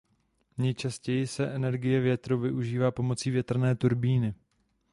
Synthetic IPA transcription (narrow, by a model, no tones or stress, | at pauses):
ɲɛjt͡ʃascɛjɪsɛʔɛnɛɾɡɪjɛvjɛt̪ɾowvɪʔuʒiːvaːpo̞mo̞t͡siːvjɛt̪r̩nɛːt̪uɾbiːnɪ